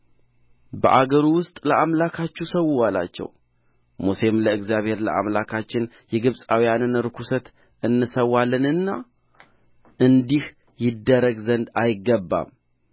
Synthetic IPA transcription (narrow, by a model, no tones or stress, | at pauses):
bə̰ʔaɡəɾuwʊst̪ʼləʔamlakʰat͡ʃːusəwʊwala̰t͡ʃːɛ̰w | mose̞mləɨɡzjaβhe̞ɾlə̰ʔa̰mlakʰat͡ʃːɪn | jɛɡɨβsʼawijanɨnɾɨkʰusət̪ | ɨnːɨsəwːalːɨnɨnːa | ʔɨnd̪ih | jɪd̪əɾəɡzənd̪ajɪɡːəbːa̰m